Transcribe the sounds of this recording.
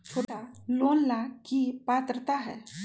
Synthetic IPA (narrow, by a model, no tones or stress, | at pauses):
t͡ʃʰoːʈaloːnlakipaːt̪ɾət̪aɦɛ̰ː